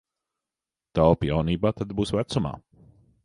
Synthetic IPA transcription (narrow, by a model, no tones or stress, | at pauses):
t̪awpjawniːbaːt̪ad̪buːsvæt̪suma̰ː